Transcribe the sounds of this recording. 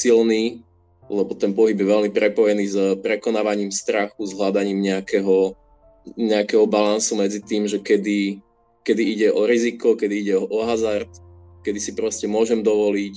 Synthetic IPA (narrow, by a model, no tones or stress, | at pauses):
silniː | lɛbɔt̪ɛnpɔɦibjɛʋɛlmipɾɛpɔjɛniːzpɾɛkɔnaːʋaɲiːmst̪ɾaxuzɦlad̪aɲiːmɲɛakɛɦɔ | ɲɛakɛɦɔbalansumɛd͡zit̪iːmʒɛkɛd̪i | kɛd̪iiɟɛʔɔɾizikɔkɛd̪iiɟɛɔʔɔɦazaɾt̪ | kɛd̪isipɾɔscɛmʊɔʒɛmd̪ɔʋɔliːc